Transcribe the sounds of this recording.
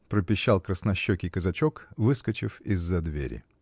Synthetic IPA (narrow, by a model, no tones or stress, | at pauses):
pɾəpʲɪɕːalˠkɾəsnɐɕːokʲɪkəzɐt͡ɕokvɨskət͡ɕɪfɪzːɐd̪vʲḛɾʲɪ̰